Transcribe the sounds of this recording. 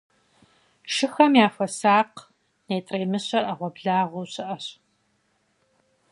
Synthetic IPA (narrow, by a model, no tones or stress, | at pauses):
ʂɨxɐmjaːfɐsaːq | neːtʼreːmɨɕɐrɐʁʷɔbɮaːʁʷowɕɪʔɐɕ